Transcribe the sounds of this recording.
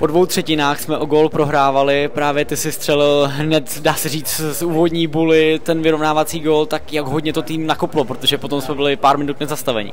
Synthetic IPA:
po̞dvo̞wt̪r̝̥ɛcɪnaːxsmɛʔo̞ɡoːlpɾo̞ɦɾaːvalɪpɾaːvjɛt̪ɪsɪst̪r̥ɛlɪlɦnɛt̪daːsɛriːt͡ssuːvodɲiːbulɪt̪ɛnvɪɾo̞vnaːvat͡siːɡoːlt̪akjaɡɦodɲɛt̪o̞t̪iːmnakoplo̞pɾot̪o̞ʒɛpo̞t̪o̞msmɛbɪlɪpaːɾmɪnut̪̚nɛzast̪avɛ̰ɲɪ̰

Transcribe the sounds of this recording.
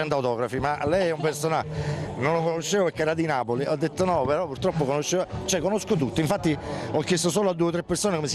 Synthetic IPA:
ɛnt̪awt̪ɔːɡɾafimalːɛjɛumpersonanonlokonoʃːeːvopeɾkːeɛːɾad̪inaːpoliʔɔd̪ːet̪ːonɔpeɾɔpːurt̪ɾɔpːokonoʃːeat͡ʃɛkːonoskot̪ut̪ːoiɱfat̪ːiɔkːjest̪osoːload̪ːuet̪ɾepːersoːnekomes

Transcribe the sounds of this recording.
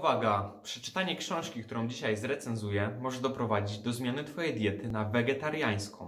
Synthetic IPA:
vaɡapʂɛ̥t͡ʂɘ̥t̪aɲɛkɕɔ̃w̃ʂkʲik̚t̪uɾɔ̃w̃d͡ʑiɕajzɾɛt̪sɛnzujɛmɔʐɛd̪ɔpɾɔvad͡ʑid͡ʑd̪ɔzmʲjanɘt̪fɔjɛjd̪ʲjɛt̪ɘnavɛɡɛt̪aɾjaj̃skɔ̰̃

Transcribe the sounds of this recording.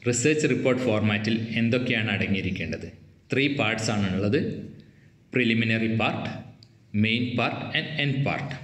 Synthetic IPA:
riseːrt͡ɕɨripːo̞ːrʈɨfoːrmaːtːile̞nd̪o̞kːe̞jaːɳɨɐɽɐŋːijiɾikʲːe̞ːɳɖɐðɨ | t̪riːpaːrʈsaːɳuɭːɐðɨ | priliminɐripaːrʈː | mejnpaːrʈɐnɖendpa̰ːrʈɨ̥

